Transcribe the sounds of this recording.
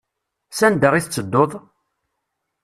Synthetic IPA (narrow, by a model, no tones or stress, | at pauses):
sænd̪əʁiθt͡sːəd̪ːoðˤ